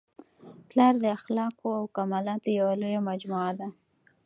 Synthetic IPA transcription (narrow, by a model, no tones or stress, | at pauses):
plɑɾd̪əaxlɑkoawkamalɑt̪ojawalojamad͡ʒmuad̪a